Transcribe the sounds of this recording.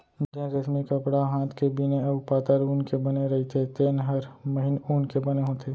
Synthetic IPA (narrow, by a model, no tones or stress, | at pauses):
d͡ʒɛ̃ɾɐsmikɐpɽaɦãːt̪ʰkebineɐbpaːt̪əɾuːnkebɐneɾɐɦit̪ʰet̪eːnɦɐɾmɐɦɪnuːnkebɐneɦõːt̪ʰeː